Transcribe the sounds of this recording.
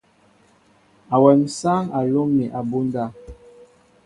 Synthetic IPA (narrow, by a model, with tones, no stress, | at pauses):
a˨wɛ˨m˨sa˦ŋa˨lo˦mːi˨ʔa˨bo˦n˦da˦˨